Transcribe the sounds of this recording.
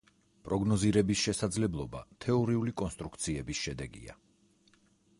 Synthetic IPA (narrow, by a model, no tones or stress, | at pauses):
pʼɾɔɡnɔziɾɛbisʃɛsad̪zlɛblˠɔba̰t̪ʰɛɔɾiulikʼɔnst̪ʼɾukt̪sʰiɛbisʃɛd̪ɛɡḭa̰